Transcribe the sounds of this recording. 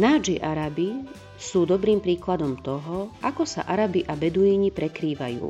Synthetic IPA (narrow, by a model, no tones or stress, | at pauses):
naːd͡ʒiʔaɾabi | suːd̪ɔbɾiːmpɾiːklad̪ɔmt̪ɔɦɔakɔsa̰ʔaɾabiʔabɛd̪uiːɲipɾɛkɾiːʋa̰jṵː